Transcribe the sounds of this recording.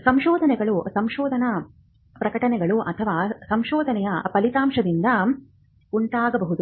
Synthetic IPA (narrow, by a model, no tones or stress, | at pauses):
sɐmʃɔːd̪ʱɐnɛɡɐɭusɐmʃɔːd̪ʱɐnɐ | pɾɐkɐʈɐnɛɡɐɭuʔɐt̪ʰɐʋaːsɐmʃɔːd̪ʱɐnɛjɐpɐlit̪aːmʂɐd̪ind̪ɐ | uɳʈaːɡɐbɐɦud̪u